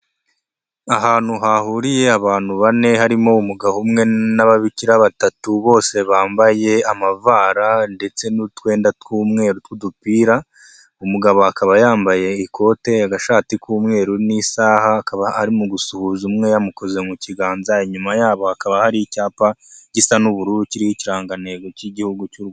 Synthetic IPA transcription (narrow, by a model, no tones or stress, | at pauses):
aɦaːn̥huɦahuɾije̞aβaːn̥huβane̞haɾimo̞umuɡahumŋe̞naβaβiciɾaβatatuβo̞ːse̞βaːmbaje̞amavaːɾande̞t͡se̞nutwe̞ːndatkuːmŋe̞ːɾutkudupiːɾa | umuɡaβo̞akaβajaːmbaje̞ikʰo̞ːte̞jaɡaʃaːtikuːmŋe̞ːɾunisaːhaːkaβaaɾimuɡusuhuzumŋe̞jamuko̞ze̞muciɡaːnzaiɲumajaːβo̞hakaβahaɾiicaːpaɟisanuβuɾuːɾuciɾihiciɾaːŋɡane̞ɡo̞ciɟihuɡucuɾuɡ